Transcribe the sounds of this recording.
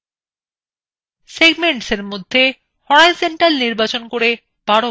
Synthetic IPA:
seɡmeɳʈseɾmod̪ʱːe | hɔɽajseɳʈalniɾbat͡ɕonkoɾe | b̥aɽo

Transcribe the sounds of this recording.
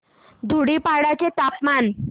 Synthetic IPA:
d̪ʱuɽiːpaɽat͡ɕet̪apman

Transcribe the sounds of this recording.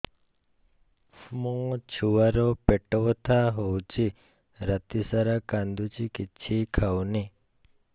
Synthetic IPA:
fmɔ̃ŋt͡ʃʰuʋaɾopeʈoʋt̪ʰaɦowt͡ʃi | ɾat̪isaɾakand̪ut͡ʃʰikit͡ʃʰikʰawni

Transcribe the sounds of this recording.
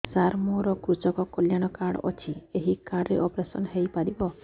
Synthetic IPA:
saɾmoɾɔkɾut͡ʃɔkɔkɔljaɽ̃ɔkaɽɔ̰t͡ʃʰieɦikaɽɾeʔɔpɾesɔnɦejpaɾibɔ

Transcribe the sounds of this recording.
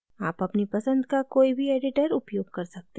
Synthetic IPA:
aːpɐpnipɐsə̃nd̪kakoːibʱiɛːɖɪʈəɾʊpjoːɡ̚kɐɾsɐk̚t̪e

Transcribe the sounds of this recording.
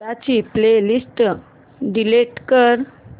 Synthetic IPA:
at͡ɕiplelisʈ | ɖileʈkəɾ

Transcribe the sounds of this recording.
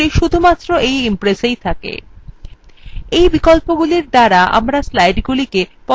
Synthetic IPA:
iʃud̪ʱumat̪ːɾoʔejimpɾesejt̪ʰakḛ | ejbikolpoɡuliɾd̪aɾaʔa̰mɾaslajɖɡulikepɔ

